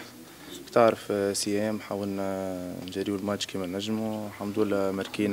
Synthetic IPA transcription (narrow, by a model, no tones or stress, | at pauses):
t̪aʕɾəfsəjɛːmħaːwəlnnʒæɾiːwlmat͡ʃkiːmɛnːæʒːmuħamd̪ulmɪɾkiːn